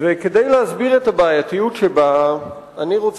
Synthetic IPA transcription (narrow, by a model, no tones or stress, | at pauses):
veked̪ejlehazbiʁetabaːjatijutʃeba | aniʁot͡s